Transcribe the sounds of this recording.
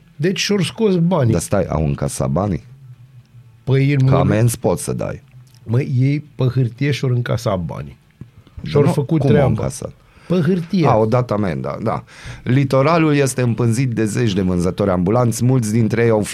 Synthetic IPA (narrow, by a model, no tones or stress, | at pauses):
d̪e̞t͡ʃʲʃo̞rsko̞sbanid̪ast̪aja̰wɨ̰ŋkasa̰t̪̚banḭ | pəjilmkamenspo̞t̪səd̪a̰j | məjejpəxɨrt̪ijeʃo̞ɾɨŋka̰sat̪̚ba̰ni | ʃorfəkut̪k̪ːɾeaɨŋbka̰sa̰t̪ | pəxɨrt̪ijeaod̪at̪amend̪a̰d̪a̰lit̪o̞ɾalulje̞st̪e̞ɨmpɨnzit̪̚d̪e̞ze̞t͡ʃd̪e̞vɨnzət̪oɾʲambulant̪sʲmult̪sʲd̪int̪ɾejejaw